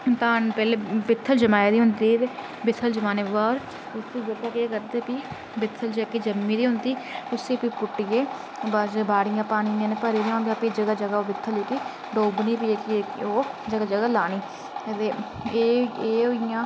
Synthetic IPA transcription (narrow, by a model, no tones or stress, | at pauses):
t̪aːnpɛːleːbɪt̪ʰːəld͡ʒəmaːeːd̪iːɦʊnd̪iːt̪eː | bɪt̪ʰːəld͡ʒəmaːneʋaːɾ | ʊsiːd͡ʒət̪aːkeːkəɾd̪eːpiː | bɪt̪ʰːəld͡ʒeːkiːd͡ʒəmːiːd̪iːɦʊnd̪iːʊsiːpipʊʈːɪjeː | basbaːɽɪjãːpaːñiːãːneːpəɾiːneãːnd̪jãːpid͡ʒəɡaːd͡ʒəɡaːoːbɪt̪ʰːəleːki | ɖoːbniːpiekioːd͡ʒəɡaːd͡ʒəɡaːlaːɽ̃iː | t̪eː | eːeːɦoːɪjãː